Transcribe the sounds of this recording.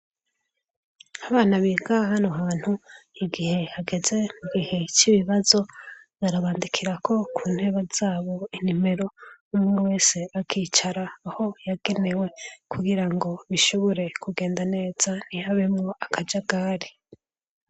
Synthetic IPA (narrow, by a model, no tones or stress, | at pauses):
aβaːnaβiːɡahanoɦaːn̥huiɡihe̞haɡe̞ze̞muɡihe̞t͡ʃiβiβazo̞ | βaɾaβaːndikʰiɾakʰo̞kʰuːn̥he̞ːβaz̥aːβo̞in̥ime̞ɾo̞umŋewe̞ːse̞akʰiːt͡ʃaɾaːho̞jaɡe̞ne̞we̞kuɡiɾaŋɡo̞βiʃoβoɾe̞kuɡe̞ːndane̞ːz̥an̥ihaβemŋo̞akʰad͡ʒaɡaːɾi